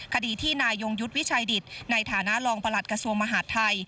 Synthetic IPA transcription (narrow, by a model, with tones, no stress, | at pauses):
kʰa˧diː˧t̪ʰiː˥˩naː˧jːo˧ŋju˦˥t̪̚wi˦˥t͡ɕʰa˧jdi˨˩t̪̚na˧jt̪ʰaː˩˦na˦˥ʔlɔː˧ŋpa˧la˨˩t̪̚kɾa˧su˧əŋma˧ɦaː˩˥t̪ʰːa˧j